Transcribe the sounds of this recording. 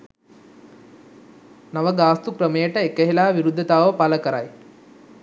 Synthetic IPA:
nɐʋəɡaːst̪ukɾəmejəʈəekəɦilaːʋiɾud̪ʱːɐt̪aːʋəpaləkəɾa̰j

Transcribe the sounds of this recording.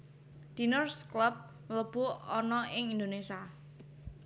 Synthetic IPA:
d̪̥inɔrskləp̚ | mələb̥ʊ̤ɔnɔʔɪŋind̪onesa

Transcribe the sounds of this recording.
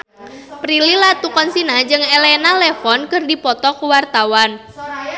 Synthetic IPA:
pɾililat̪ukɔnsinad͡ʒɨŋelɛnalɛfɔnkɨrdipɔt̪ɔkuwart̪awan

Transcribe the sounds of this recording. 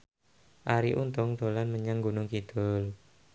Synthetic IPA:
ʔaɾiʔunt̪ʊŋd̪̥olanməɲaŋɡunʊŋkid̪̥ʊl

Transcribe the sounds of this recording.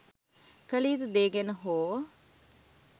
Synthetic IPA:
kəliːt̪ud̪eːɡenəɦoː

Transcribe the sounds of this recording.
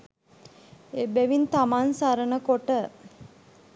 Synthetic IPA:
ebeʋint̪amansaɾənəkoʈə

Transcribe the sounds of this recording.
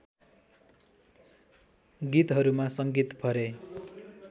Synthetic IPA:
ɡit̪ɦʌɾumasʌŋɡit̪pʰʌɾe

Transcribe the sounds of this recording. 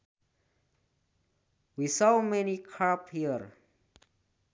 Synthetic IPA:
wisoʊmɛnikʰaphiəɾ

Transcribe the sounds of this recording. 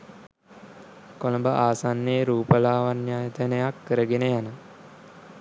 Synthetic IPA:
kolombəʔaːsanːeːɾuːpəlaːʋanjaːjət̪ənəjakːəɾəɡenəjanə

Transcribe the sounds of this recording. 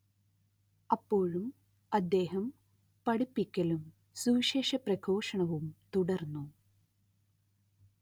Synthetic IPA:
ɐpːo̞ːɻum | ɐd̪ːe̞ːɦɐm | pɐɽipːikʲːɐlum | suʋʂeːʂɐprɐkʰo̞ːʂɐɳɐʋumt̪uɽɐrnːu

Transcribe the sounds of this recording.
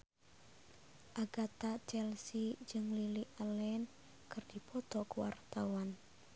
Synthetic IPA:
ʔaɡ̥at̪at͡ʃɛlsid͡ʒɨŋliliʔəlɛn | kɨrd̥ipɔt̪ɔkəwa̰rt̪awan

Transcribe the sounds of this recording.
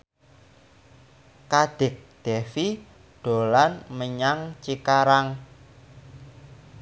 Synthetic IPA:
kaɖ̪̥ɪ̤k̚d̪̥ɛfi | ɖ̥o̤lanməɲaŋt͡ʃikaɾaŋ

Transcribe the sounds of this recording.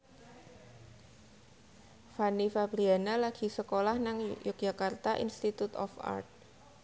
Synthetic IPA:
fanifabɾianalaɡ̥i̤səkolahnaŋjʊk̚ʒ̥akart̪aʔḭnst̪it̪ut̪ɔ̰fa̰rt̪̚

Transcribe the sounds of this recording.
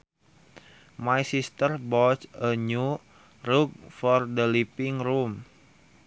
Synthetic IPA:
majsist̪ərbɔt͡ʃəɲu | ruɡ̚fɔrdəlipiŋrum

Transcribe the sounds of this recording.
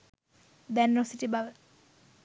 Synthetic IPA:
d̪anːosiʈibaʋ

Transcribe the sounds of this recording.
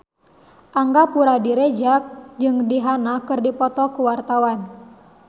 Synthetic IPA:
ʔaŋɡapuɾadiɾed͡ʒak̚d͡ʒɨŋdiɦanakɨrdipɔt̪ɔkuwart̪awan

